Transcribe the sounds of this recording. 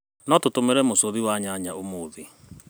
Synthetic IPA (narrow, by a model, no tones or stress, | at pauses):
nɔtotomeɾɛmosoðiwaɲaɲaomoːðe